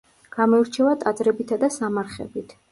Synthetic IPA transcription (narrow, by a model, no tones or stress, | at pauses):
ɡ̥amɔiɾt͡ʃʰɛvat̪ʼad̪zɾɛbit̪ʰad̪asamaɾχɛ̰bit̪ʰ